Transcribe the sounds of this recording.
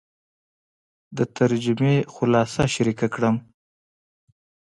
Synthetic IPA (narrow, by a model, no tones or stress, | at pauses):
d̪ət̪ʰaɾd͡ʒɪmexʊlɑsaʃaɾikakɽəm